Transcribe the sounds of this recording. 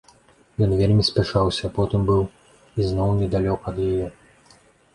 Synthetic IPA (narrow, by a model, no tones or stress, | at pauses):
jɔnvʲelʲmʲisʲpʲaʂawsʲɐpɔt̪ɨmbɨw | iznɔwnʲɛd̪alʲɔkɐːd̪jajɛ